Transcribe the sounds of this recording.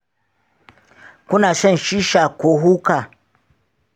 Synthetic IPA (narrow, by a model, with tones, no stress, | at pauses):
kʷʊ˦naː˨sɔ˦˨nʃiː˦ʃaː˨kʷoː˨ɦuː˦kaː˨